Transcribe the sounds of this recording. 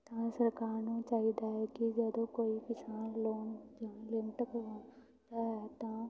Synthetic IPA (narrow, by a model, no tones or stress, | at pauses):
t̪ɐãsɐɾkaːɾnũt͡ʃaːɦid̪aɦɛkid͡ʒɐd̪õkoːikɪsaːnloːnd͡ʒãːlɪmɪʈkoʋãː | d̪aɦɛt̪ã